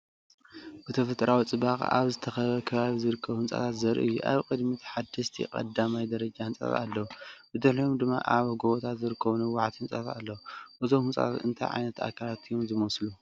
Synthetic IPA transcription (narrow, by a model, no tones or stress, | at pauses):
bɨt̪ʰɐfɐt̪ʼɾʔawit͡sʼɨbakʼa̰βzɨt̪ʰɐxɐβɐkʰɐβaβizɨɾɨkʰːɐβhɨnt͡sʼa̰t̪ʰat̪zɐɾʔɨ̰jːuʔa̰βkʼɨd̪mit̪ʰħad̪ɐʃt̪ʰḭkʼɐ̰d̪amajd̪ɐɾɐd͡ʒahɨnt͡sʼa̰t̪a̰lːɐwubɨd̪ɨħliomd̪ɨmːa̰ʔaβɡoβot̪ʰat̪zɨɾɨkʰːɐβunɐwːaħt̪hɨnt͡sʼat̪a̰lːɐwuʔɨzomhɨnt͡sʼa̰t̪ʰa̰t̪ɨ̰nt̪ʰa̰jʕa̰jnɐt̪a̰kʰːalat̪ʰijomzɨmɐslu